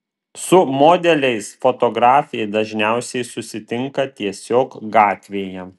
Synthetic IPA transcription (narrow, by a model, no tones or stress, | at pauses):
sʊmoːd̪ʲɛlʲɛɪsfot̪ɔɡɾɑːfʲɛɪd̪ɐʒʲnʲæˑʊsʲɛɪsʊsʲɪt̪ʲɪŋkɐt̪ʲiɛsʲoːkɡɑːt̪ʲʋʲeːjɛ